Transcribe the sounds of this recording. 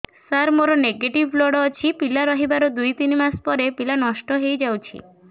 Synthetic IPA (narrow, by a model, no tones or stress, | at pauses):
saɾmoɾɔneɡeʈibʱlɔɽɔːt͡ʃʰipilaɾɔɦibaɾɔd̪ujt̪inimaspɔɾepilanɔʃʈɔɦejd͡ʒawt͡ʃʰḭ